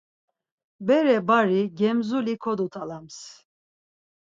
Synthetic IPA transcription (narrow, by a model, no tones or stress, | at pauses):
bɛɾɛbaɾiɟɛmzulikʰɔd̪ut̪ʰalams